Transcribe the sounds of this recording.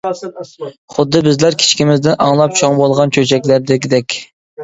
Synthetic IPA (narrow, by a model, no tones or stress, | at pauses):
χʊd̪ːɨbɪzlæɾkʲʰi̥t͡ʃkʲimɪzd̪ɪnʔɑ̰ŋlˠɑp̚t͡ʃʰoŋbolˠʁɑnt͡ʃʰʲøt͡ʃʰɛkʲlæɾd̪ɪkʲd̪ɛkʲ